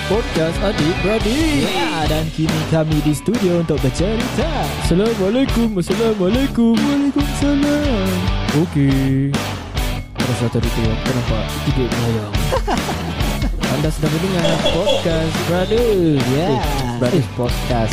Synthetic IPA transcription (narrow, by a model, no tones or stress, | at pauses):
pɔd̚kasant̪iʔbəɾadijadankinikamidist̪udiount̪ɔʔ̚bət͡ʃaɾita | salamalakumasalamalakumwalakumsalamoke | aɾasat̪ɔɾit̪upənãmpa̰ʔt̪ibeʔ̚mlajaŋ | ʔandasdapəndiŋãnpɔd̚kasbɾadujabɾaduspɔd̚kas